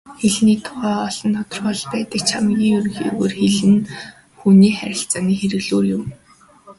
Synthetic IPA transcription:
xeɮniːt̪ʰʊʁæːɔɮ̥ɞ̆nt̪ʰɔt̪ɞ̆rpɔɮpæːt̪ə̆kt͡ɕʰamɡʲiːŋɵrɣḭːɣoːrxeɮɘ̆n | xuniːχæɾʲɪ̆ɬt͡saniːxeɾɘ̆ɣɮoːrjʊm

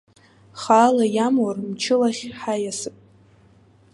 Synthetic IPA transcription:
χaːlajamwarmt͡ʃʰɪlaχʲħajasɨpʼ

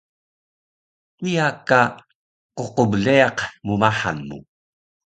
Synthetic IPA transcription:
ijaka | qoqovɮeɑqmumaħa̰nːṵ

